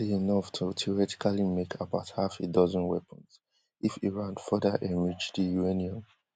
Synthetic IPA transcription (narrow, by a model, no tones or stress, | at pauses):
iinɔftʰutʰiɔɹɛti̥kʰalimekʰabaʊthafidɔzə̃nwɛpʰə̃nz | ʔifiɹãnfɜdəʔɛ̃mɹid͡ʒdijueniə̃m